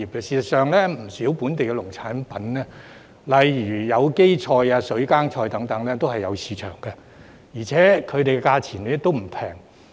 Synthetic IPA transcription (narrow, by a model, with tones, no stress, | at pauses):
iː˨p̚kɛː˧siː˧sɐ˨˩tsœː˨˧ŋlɛː˥m̩˨˩siː˨˥wpuː˨˥nt̪e˨jkɛ˧lʊ˨˩ŋt͡sʰaː˨˥npɐ˨˥nlɛː˥ | lɐ˨jɥyː˨˩jɐ˨˧wke˥jt͡ʃʰɔː˧jaː˧sɵ˨˥ɥkaː˥ŋt͡ʃʰɔː˧jt̪ɐ˨˥ŋt̪ɐ˨˥ŋlɛː˥t̪o˥whɐ˨jːɐ˨˧wsiː˨˧t͡ʃʰœ̰ː˨˩ŋkɐ˧ | jiː˨˩t͡sʰɛː˨˥kʰɵ˨˧ɥt̪e˨jkɛ˧kaː˧t͡sʰiː˨˩nlɛ˥t̪o˥wm̩˨˩pʰɛː˨˩ŋ